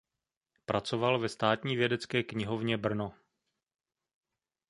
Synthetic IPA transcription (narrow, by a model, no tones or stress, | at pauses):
pɾʔat͡sovalvɛst̪aːt̪ɲiːvjɛdɛt͡skɛːkɲɪɦo̞vɲɛbr̩no